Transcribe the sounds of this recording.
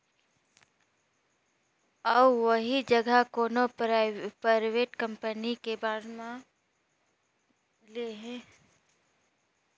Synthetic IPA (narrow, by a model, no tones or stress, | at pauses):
əbʋəɦid͡ʒəɡəkoːno | paɾʋeːʈkə̃mpənikebaːɾmã | leɦɛ̃ː